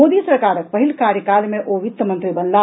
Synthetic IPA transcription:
oːd̪isəɾkaːɾək̚pəɦilkaːɾjəkalmẽʔoʋit̪mə̃nt̪ɾibənla

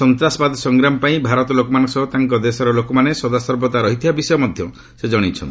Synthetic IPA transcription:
ɔnt̪ɾasɔbad̪ɔsɔŋɡɾamɔpaĩbʱaɾɔt̪ɔlokɔmanɔ̃sɔɦɔt̪aŋkɔd̪esɔɾɔlokɔmanesɔd̪asɔɾbɔt̪aɾɔɦit̪ʰibabisɔjɔmɔd̪ʱjɔ | sed͡ʒɔɽ̃it͡ʃʰɔ̰nt̪i

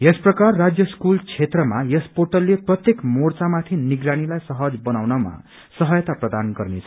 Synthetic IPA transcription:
jʌsprʌkarːad͡zjʌskult͡sʰet̪rʌmajʌsporʈʌlːeprʌt̪jekmort͡samat̪ʰiniɡɾaɽ̃ilajsʌɦʌd͡zbʌnawnʌma̰ | sʌɦʌjʌt̪aprʌd̪anɡʌrnet͡sʰʌ̥

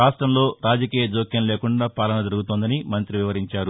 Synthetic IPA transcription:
aːsʈɾɐmlo̞ːɾaːd͡ʒɐkiːjɐd͡ʒoːkjɐnleːkuɳɖaːpaːlɐnɐd̪ɐɾuɡut̪oːnd̪ɐnimɐnt̪ɾiʋiʋɐɾiɲt͡ʃaːɾu

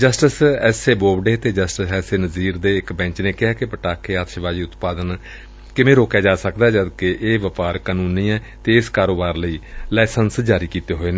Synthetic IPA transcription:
d͡ʒəsʈəsɛːseːboːbɖeːt̪eːd͡ʒəsʈəsɛːseːnəziːɾd̪eːɪkbɛ̃ːt͡ʃnẽːkɪɛːkɪpəʈaːkʰeːaːt̪ʃbaːd͡ʒiːʊt̪paːd̪ən | kɪmẽːɾoːkjaːd͡ʒaːsəkd̪aːd͡ʒəd̪keʔeːʋəpaːɾkaːnũːnĩːɛː | t̪eːɪskaːɾoːbaːɾləiːlɛːsənsd͡ʒaːɾiːkiːt̪eːɦoːeːneː

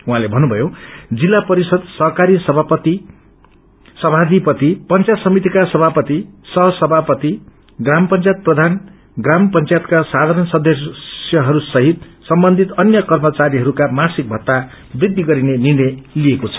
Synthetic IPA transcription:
uɦãlebʱʌnːubʱʌjod͡zilːapʌɾisʌd̪sʌɦkaɾisʌbʱapʌt̪i | sʌbʱad̪ipʌt̪ipʌnt͡sajt̪sʌmit̪ikasʌbʱapʌt̪isʌɦʌsʌbʱapʌt̪i | ɡrampʌnt͡sajt̪̚prʌd̪ʱan | ɡrampʌnt͡sajt̪̚kasad̪ʱaɾʌnsʌd̪ʱʌsjʌɦʌɾusʌɦit̪sʌmbʌnd̪ʱit̪ʌnjʌkʌrmʌt͡saɾiɦʌɾukamasik̚bʱʌt̪ːa | brid̪ʱːiɡʌɾinenirñʌjliekot͡sʰʌ̥

